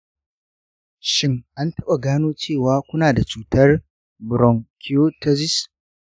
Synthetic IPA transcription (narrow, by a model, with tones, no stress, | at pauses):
ʃɪ˦ŋʔa˦ntɐ˦ɓa˨ɡaː˦noː˦t͡ʃeː˦˨waː˨˦kʷʊ˦naː˨da˨t͡ʃuː˦tɐ˦r | bʊ˨ɾɔ˨ŋkʲʰi˦o˦tɐ˦zɪ˦s